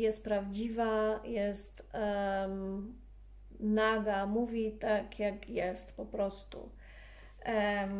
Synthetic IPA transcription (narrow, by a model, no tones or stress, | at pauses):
jɛst̪̚pɾavd͡ʑivajɛst̪ | naɡamuvʲit̪akʰjakjɛst̪pɔpɾɔst̪ṵ